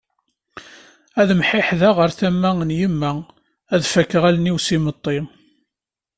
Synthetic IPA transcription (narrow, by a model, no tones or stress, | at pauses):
æðəmħɪħðæʁəɾθæmːæənjimːæ | æðfækːʁælniwsimət̪ˤːi